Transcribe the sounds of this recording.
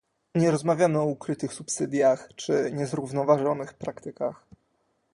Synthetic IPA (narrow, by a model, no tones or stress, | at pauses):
ɲɛɾɔzmavʲjamɘɔukɾɘt̪ɘxsupsɘd̪ʲjaxt͡ʂɘɲɛzɾuvnɔvaʐɔnɘxpɾakt̪ɘkax